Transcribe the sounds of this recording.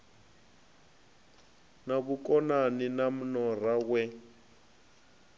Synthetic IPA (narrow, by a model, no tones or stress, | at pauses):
naβukʼɔnaninam̩nɔrawɛ